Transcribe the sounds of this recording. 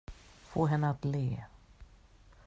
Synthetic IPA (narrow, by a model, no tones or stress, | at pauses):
foːɦɛnːəat̪leː